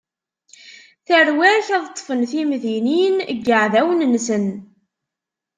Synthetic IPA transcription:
θərwæçæðt̪ˤːfənθimðininɡːəʕðæwənːsən

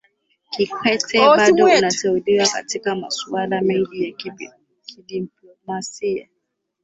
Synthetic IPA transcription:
kikwɛtʰɛɓaɗɔunatɛuliwaka̰tikama̰sualamɛŋɡija | kʰiɗiplɔmasia̰

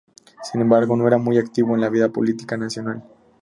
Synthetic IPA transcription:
sinẽ̞mbaɾɣo̞noe̞ɾamujakt̪iβoenlaβ̞iðapolit̪ikanasjo̞nal

